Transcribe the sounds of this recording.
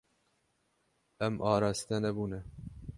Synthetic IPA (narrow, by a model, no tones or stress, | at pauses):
ɛmʔɑːɾɑːst̪ɛnɛbuːnɛ